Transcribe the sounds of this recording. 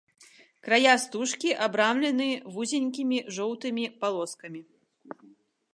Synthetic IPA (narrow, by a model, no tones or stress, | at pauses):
kɾajast̪uʂkʲiʔabɾamlʲɛnɨvuzʲɛnʲkʲimʲiʐɔwt̪ɨmʲipalˠɔskɐmʲi